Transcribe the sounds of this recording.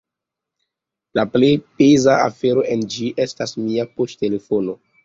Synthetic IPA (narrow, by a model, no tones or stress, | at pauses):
laplejpezaa̰fe̞ɾo̞ʔe̞nd͡ʒiʔe̞stasmiapoʃte̞le̞fono̞